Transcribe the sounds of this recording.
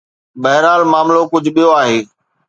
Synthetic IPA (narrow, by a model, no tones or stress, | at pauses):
bɐɦɾaːlmaːmlokʊd͡ʑʱɓijoaːɦeː